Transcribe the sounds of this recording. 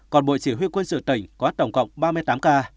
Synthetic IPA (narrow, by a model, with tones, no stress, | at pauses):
kɔ˨˩nɓo̰˧˨jt͡ɕi˧˩ɦwi˧kwə˧nsɨ̰˧˨t̪ə˨˧˩jŋ̟kɔ˨a˦˥t̚t̪wŋ͡mkə̰˧˨wŋ͡mɓaː˧mɨ˧əjt̪aː˨˦mkaː˧